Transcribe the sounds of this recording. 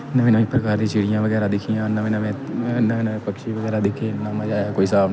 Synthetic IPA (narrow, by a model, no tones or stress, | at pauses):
nəʋeːnəʋĩːpɾəkaːɾd̪ĩːt͡ʃiːɽɪjãːʋəɡɛːɾaːd̪ɪkʰːijãːnaʋẽnamẽːnaːenːpəkʃiːʋəɡɛːɾaːd̪ɪkʰːeːnaːmãːd͡ʒaːjaːkoːiːsaːbn